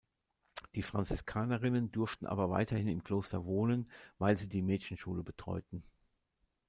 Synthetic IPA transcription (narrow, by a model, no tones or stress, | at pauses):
d̥iːfʁ̥ant͡sɪskʰaːnɐʁɪnəndʏɐftn̩ʔa̰ːbɐva̰ɪtʰɐhɪnɪmkl̥oːstɐvoːnənvaɪlziːdiːmɛːçn̩ʃuːləbətʁ̥ɔ̰ʏtn̩